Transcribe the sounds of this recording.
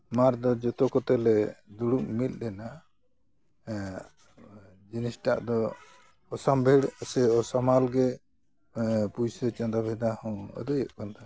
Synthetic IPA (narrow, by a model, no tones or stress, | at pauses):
maɾd̪ɔd͡ʒɔt̪ɔkɔt̪ɛlɛd̪uɽuʔmilˀdɛna | d͡ʒinisʈa̰ʔd̪ɔː | sambʱɛɽsɛɔsamalɡɛ | pujsɛt͡ʃãnd̪abʱɛd̪ahɔ̃ɔ̰d̪ɔjɔʔkɔnt̪ʰa